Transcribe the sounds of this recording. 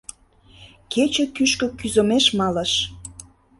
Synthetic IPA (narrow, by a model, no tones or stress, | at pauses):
ket͡ɕə̆kyʃkø̆kyzomeʃmɑlə̆ʃ